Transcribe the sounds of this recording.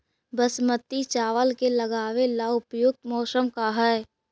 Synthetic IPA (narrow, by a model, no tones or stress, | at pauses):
bəsmət̪ːit͡ʃaːʋəlkeləɡaːwelaʊpjʊk̚t̪mɔːsəmkaɦɛː